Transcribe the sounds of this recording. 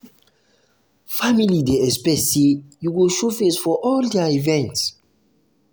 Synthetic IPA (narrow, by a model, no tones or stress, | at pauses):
familideɛspɛsejuɡuʃofesfɔʔɔldaivɛ̃nts